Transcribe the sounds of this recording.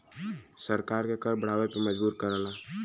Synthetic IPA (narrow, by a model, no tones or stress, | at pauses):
səɾkaːɾkekɐɾbəɽ̤aːʋepeməd͡ʒbuːɾkəɾəlaː